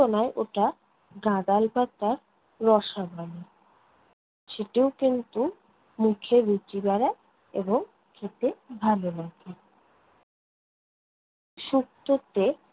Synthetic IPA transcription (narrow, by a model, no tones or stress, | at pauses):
onaeʔoʈa | ɡãd̪albat̪aɾː | ɔʃabʱani | ʃeʈiokint̪u | mukʰeɾut͡ɕibaɾa | ḛboŋ | kʰet̪ebʱalolakʰe | ʃuk̚t̪ot̪e